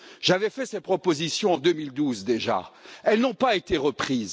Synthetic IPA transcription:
ʒ̥avɛfɛsɛt̪̚pχɔpozisjɔ̃ɑ̃d̪ømild̪uzd̪eʒa̰ɛlnɔ̃paet̪eʁəpχiːz

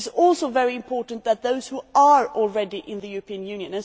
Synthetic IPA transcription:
zɔlˠsoʊvɛɹiɪ̃mpʰɔɹʔn̩ðət̪̚ðoʊz̥huəɹɔl̩ˠɹɛdiʔɪ̃nðɨjʉɹəpʰĩə̃njʉ̃njɨ̃nɨ̃n

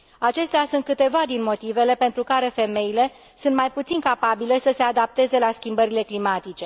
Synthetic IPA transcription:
at͡ʃe̞st̪easunt̪̚kɨt̪e̞vad̪inmo̞t̪ive̞le̞pe̞nt̪ɾukaɾe̞fe̞me̞ile̞ | sunt̪majput̪sinkapabile̞səse̞ad̪ap̚t̪e̞ze̞laskʲimbəɾile̞klimat̪it͡ʃe̞

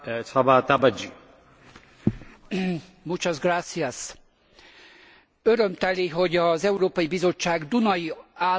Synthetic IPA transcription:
sabat̪abad͡ʒi | mut͡ʃɒzɡraːt̪sias | øɾømt̪ɛliɦo̞ɟɒzɛuɾoːpɒjibizo̞t͡ʃːaːɡd̪unɒjiaː

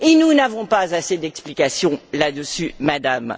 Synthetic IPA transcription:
enunavɔ̃pazased̪ɛksplikasjɔ̃lad̪əsymad̪am

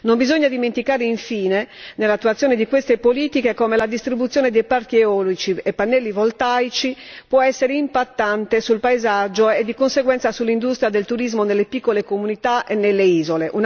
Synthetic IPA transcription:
nombizoɲːad̪iment̪ikaːɾeiɱfiːnenelːat̪ːuat̪sjoɔːned̪ikwest̪epoliːt̪ikekɔːmelad̪ist̪ɾibut̪sjɔːned̪ejpaɾk̟ieɔlot͡ʃiɛpːanːɛlːivolt̪ajt͡ʃipwɔɛsːeɾeimpat̪ːant̪esulpaezad͡ʒːoed̪ːikonseɡwɛnt̪sasulːind̪ust̪ɾjad̪elt̪uɾizmonelːepikːolekomunit̪aʔenːelːeiːzoleʔun

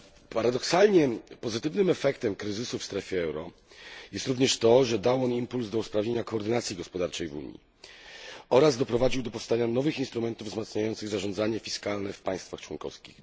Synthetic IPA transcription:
paɾad̪ɔksalɲɛpɔzɘt̪ɘvnɘmɛfɛkt̪ɛmkɾɘzɘsufst̪ɾɛfʲjɛɛwɾɔ | jɛst̪ɾuvɲɛʂt̪ɔʐɛd̪awɔnimpulzd̪ɔuspɾavɲeɲakɔːɾd̪ɘnat̪sʲjiɡɔspɔd̪aɾt͡ʂɛjvṵɲḭ | ɔɾazd̪ɔpɾɔvad͡ʑiwd̪ɔpɔfst̪aɲanɔvɘxinst̪ɾumɛnt̪uvzmat̪sɲajɔnt̪sɘɣzaʐɔ̃nd̪zaɲɛfʲiskalnɛfpaj̃st̪faxt͡ʂwɔŋkɔ̰fskʲḭx

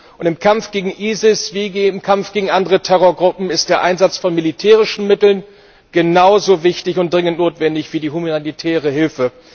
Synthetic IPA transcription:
ʔʊntɪmkʰamfɡ̥eːɡŋ̩ʔiːzɪsv̥iːɪmkʰamfɡ̥eːɡŋ̩ʔandəʁətʰɛʁ̞oɐɡʁʊpm̩ɪstd̥eːɐʔaɪnzat͡sfɔnmilitʰɛːʁ̞ɪʃn̩mɪtl̩n | ɡ̥ənaʊzovɪçtɪçʊntd̥ʁɪŋəntnoːtv̥ɛndɪçv̥iːdiːhumaanitʰɛːʁ̞əhɪlfə

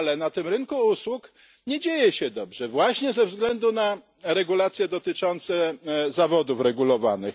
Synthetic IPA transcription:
alɛnat̪ɘmɾɘŋkuuswuk | ɲɛd͡ʑejɛɕɛd̪ɔbʐɛvwaɕɲɛzɛvzɡlɛnd̪una | ɾɛɡulat̪sʲjɛd̪ɔt̪ɘt͡ʂɔnt̪sɛzavɔd̪ufɾɛɡulɔvanɘx

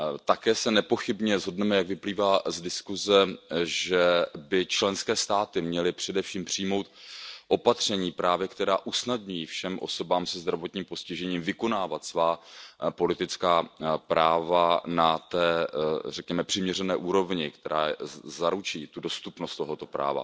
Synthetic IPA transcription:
t̪akɛːsɛnɛpo̞xɪbɲɛzɦo̞dnɛmɛjaɡvɪpliːvaːzdɪskuzɛʒɛbɪt͡ʃlɛnskɛːst̪aːt̪ɪmɲɛlɪpr̝̥ɛdɛfʃiːmpr̝̥ijmo̞wt̪̚ʔo̞pat̪r̝̥ɛɲiːpɾaːvjɛkt̪ɛɾaːʔusnadɲujiːfʃɛmʔo̰so̞baːmsɛzd̪ɾavo̞t̪ɲiːmpo̞scɪʒɛɲiːmvɪko̞naːvat̪svaːpo̞lɪt̪ɪt͡skaːpɾaːvanat̪ɛːrɛkɲɛmɛpr̥ɪmɲɛrɛnɛːʔuːɾo̞vɲɪkt̪ɛɾa̰ːzaɾut͡ʃiːt̪udo̞st̪upnost̪t̪o̞ɦo̞t̪o̞pɾa̰ːva̰

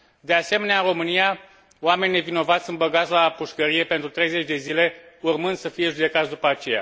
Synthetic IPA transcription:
d̪e̞ase̞me̞neaɨɾo̞mɨnija | wame̞nine̞vino̞vat̪sʲɨnbəɡat̪slapuʃkəɾije̞pent̪ɾut̪ɾe̞jze̞t͡ʃʲd̪e̞zile̞urmɨnd̪̥səfije̞ʒud̪e̞kat̪sʲd̪upəat͡ʃe̞ja̰

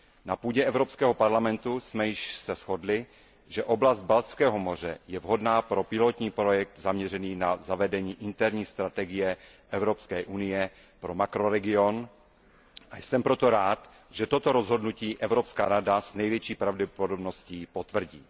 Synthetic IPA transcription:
napuːɟɛʔɛvɾopskɛːɦo̞paɾlamɛnt̪usmɛjɪʃsɛsxo̞dlɪ | ʒɛʔoblazt̪̚balt͡skɛːɦo̞mo̞r̝ɛ̰jɛvɦo̞dnaːpɾo̞pɪlot̪ɲiːpɾojɛk̚t̪zamɲɛr̝ɛniːnazavɛdɛɲiːʔɪnt̪ɛɾɲiːst̪ɾat̪ɛɡɪjɛ | ʔɛvɾo̞pskɛːʔunɪjɛ | pɾo̞makɾoɾɛɡɪo̞n | ʔajsɛmpɾo̞t̪o̞ɾaːt̪ | ʒ̥ɛt̪o̞t̪o̞ɾozɦo̞dnuciːʔɛvɾopska̰ːɾadaznɛjvjɛt͡ʃiːpɾavɟɛpodobno̞sciːpot̪vr̩ɟiː

